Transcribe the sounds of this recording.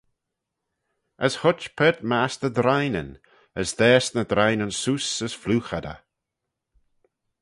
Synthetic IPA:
əshʊt͡ʃpʰɛːt̪̚maːsnəd̪ɾajnə̰n | əsd̪ɛːsnəd̪ɾajnənsuːsəsfluːxad̪ə̰

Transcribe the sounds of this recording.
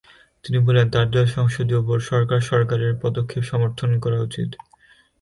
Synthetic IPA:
t̪inibɔlent̪aɾd̪aʃɔŋʃod̪iopoɾʃɔɾkaɾʃɔɾkaɾeɾpɔd̪okʰːepʃɔmoɾt̪ʰonkɔɾaut͡ɕḭt̪

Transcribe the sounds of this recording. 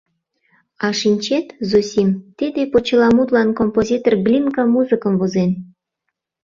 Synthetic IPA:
ɑʃinʲt͡ɕet̪zosʲimt̪id̪epot͡ɕəlɑmud̪lɑnkompozʲit̪orɡlʲinkəmuzɨkəmvozen

